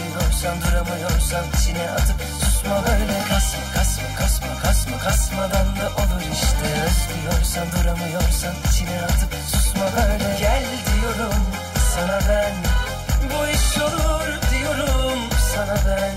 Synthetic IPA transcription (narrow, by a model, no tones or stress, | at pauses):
joɾsand̪uɾamajoɾsant͡ʃʰinɛʔazɯpsusmad̪annɛkʰasmakʰasmakʰasmakʰasmakʰasmad̪and̪aʔolˠuɾiʃt̪ʰɛst̪ɯjoɾsand̪uɾamajoɾsant͡ʃʰinɛazɯpsusmad̪aɾnɛɡælʲ | d̪ijoɾum | sanad̪an | bujisolˠuɾd̪ijoɾumsanad̪a